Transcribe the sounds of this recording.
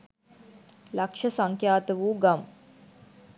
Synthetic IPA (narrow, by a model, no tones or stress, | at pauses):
lakʂɐsaŋkjaːt̪əʋuːɡam